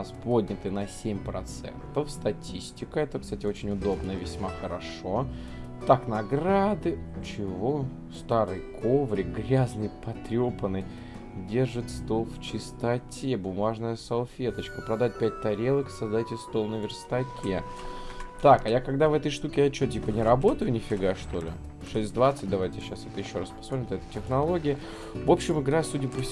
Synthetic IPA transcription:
aspo̞dʲnʲɪt̪ɨnɐsʲemʲpɾɐt̪sɛ̰nt̪əfst̪ɐtʲisʲtʲɪkəɛt̪əkst̪atʲɪot͡ɕɪnʲʊd̪o̞bnəvʲɪsʲmaxəɾɐʂo̞ | t̪aknɐɡɾad̪ɨt͡ɕɪvo̞ | st̪aɾɨjkʰovɾʲɪɡɾʲaznɨjpɐt̪ɾʲo̞pənɨj | dʲe̞rʐɨt̪st̪o̞lˠft͡ɕɪst̪ɐtʲʰe̞bʊmaʐnəjəsɐlˠfʲe̞t̪ət͡ɕkəpɾɐd̪at̚ʲpʲæt̚ʲt̪ɐɾʲelˠəksɐzd̪atʲɪst̪o̞lˠnəvʲɪrst̪ɐkʲʰe | t̪akɐjakɐɡd̪avɛt̪əjʂt̪ukʲɪjat͡ɕotʲipənʲɪɾɐbo̞t̪əjʊnʲɪfʲɪɡaʂt̪o̞lʲɪ̰ | ʂɛsʲtʲd̪vat̪sɨt̚ʲd̪ɐvajtʲɪɕːasɛt̪əjɪɕːo̞ɾaspɐsmot̪ɾʲɪmt̪ɛt̪əjtʲɪxnɐlˠo̞ɡʲɪɪ | vo̞pɕːɪmɨɡɾasudʲɪpəfʲ

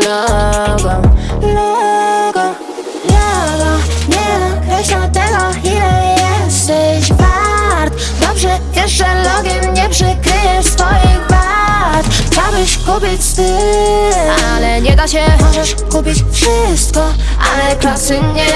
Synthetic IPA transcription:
lɔɡɔlɔɡɔ | lɔɡɔɲɛd̪ɔkɾɛɕlat̪ɛɡɔxilɛjɛst̪ɛɕbaɾt̪ | d̪ɔbʐɛjɛʂɛlɔɡʲɛmɲɛpʂɛkɾɘjɛsfɔjiɣba | ɾt̪xt͡ɕawbɘɕkupʲit͡ɕst̪ɨ | a | lɛɲɛd̪aɕɛɔt͡ɕaʂ | kupʲit͡ɕfʂɪ | st̪̚kɔ | ʔalɛklasɘɲːɛ

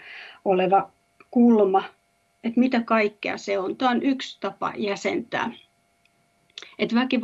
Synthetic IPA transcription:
oleʋɑ | kulmɑ | et̪mit̪ækɑikːeɑ̰seont̪æːˑonykst̪ɑpɑ̰jæsḛnt̪æ̰ː | et̪ʋækiʋ

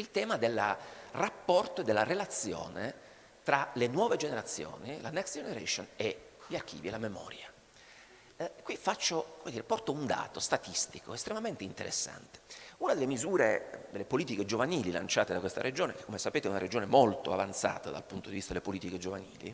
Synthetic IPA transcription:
ilt̪ɛːmad̪elːrapːɔrt̪oed̪ːelːarelat̪sːjo̰ːnḛ | t̪ɾalenwɔːved͡ʒeneɾat̪sːjo̰ːnilanɛksd͡ʒeneɾḛʃoneʎark̟ʰḭːvielamemɔ̰ːɾja | kːwifat͡ʃːokomed̪iːɾepɔrt̪ound̪a̰ːt̪ost̪at̪ist̪iko̰est̪ɾemament̪eint̪ḛɾḛsːa̰nt̪e̥unad̪elːemizuːɾḛd̪elːepoliːt̪iked͡ʒovaniːlila̰nt͡ʃaːt̪ed̪akwest̪a̰ɾed͡ʒoːnekekːomesapeːt̪eɛunaɾed͡ʒoːnemolt̪oa̰vant̪sa̰ːt̪ad̪a̰lpunt̪od̪ivist̪ad̪elːepoliːt̪iked͡ʒovanḭːlḭ

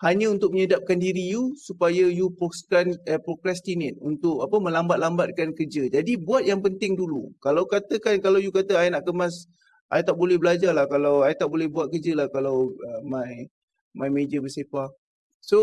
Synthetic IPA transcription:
haɲəunt̪ʊk̚məɲədap̚kandiɾijusupajəjupɾoskanəpɾokɾɛst̪inet̪̚unt̪ʊk̚apəmə̃lambat̪̚lambat̪̚kankərd͡ʒəd͡ʒadibuat̪̚jaŋpənt̪ɪŋdulṵkalawkat̪əkankalawjukat̪əajnaʔkəmas | ʔajt̪aʔ̚bolɛhbəlad͡ʒarlahkalawajt̪aʔbolɛhbuat̪̚kərd͡ʒəlahkalawəmãj | mãjmed͡ʒəbəsefa | so

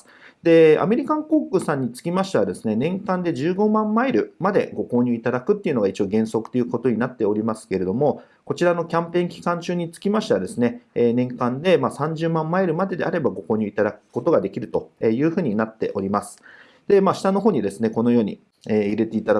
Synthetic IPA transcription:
d̪̥e̞a̰me̞ɾʲikãŋko̞ːkɯ̟sãɲ̟ːit͡sɨ̥kʲimaɕi̥t̪aβad̪e̞sɨne̞nẽ̞ŋkãnd̪e̞ʑɨːɡo̞mãmːaiɾɯ̟mad̪e̞̰ɡo̞ko̞ːɲ̟ʲɨ̟it̪ad̪akɯ̟t̪ːeiɯ̟no̞ɡait͡ɕio̞ɡẽ̞ɰ̃so̞kɯ̟̥t̪ejiɯ̟ko̞t̪o̞ɲ̟inat̪ːe̞o̞ɾʲimasɨ̥ke̞ɾe̞d̪o̞mo̞ | ko̞t͡ɕiɾano̞kʲãmpẽ̞ŋkʲi̥kãɲ̟t͡ɕɨːɲ̟it͡sɨ̥kʲimaɕi̥t̪ad̪e̞sɨne̞ːnẽ̞ŋkãnd̪e̞maːsãɲ̟d͡ʑɨːmãmːaiɾɯ̟mad̪e̞d̪e̞ʔaɾe̞baɡo̞ko̞ːɲ̟ʲɯ̟it̪ad̪akɯ̟̥ko̞t̪o̞ɡad̪e̞kʲiɾɯ̟t̪o̞eːjɯ̟ːɸɯ̟ːɲ̟inat̪ːe̞̰ʔo̞ɾʲimasɨ̥ | d̪̥e̞maːɕi̥t̪ano̞ɦoːɲ̟id̪e̞sɨne̞ko̞no̞jo̞ːɲ̟ḭ | eːiɾe̞t̪e̞it̪ad̪

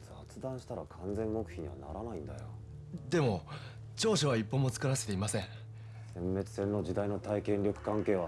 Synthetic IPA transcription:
d͡zat͡sɨd̪ãɰ̃ɕi̥t̪aɾakʰãnd͡zzẽ̞mːo̞kɯ̟̥çiɲ̟iβa̰na̰ɾanaĩnd̪ajo̰ | d̪e̞mo̞ | t͡ɕo̞ːɕoβ̞aipːomo̞t͡sɨ̥kɯ̟ɾaset̪e̞imasẽ̞ | sẽ̞mːe̞t͡sɨ̥sẽ̞nːo̞d͡ʑid̪aino̞t̪aikẽ̞nʲɾʲokɯ̟̥kãŋke̞ːβa

